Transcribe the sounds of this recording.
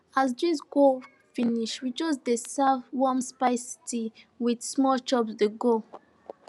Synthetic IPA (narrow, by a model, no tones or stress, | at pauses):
azdisɡol | finiʃwid͡ʒɔsdesavwɔmspaɪsi̥tiwidsmɔt͡ʃɔpsdeɡo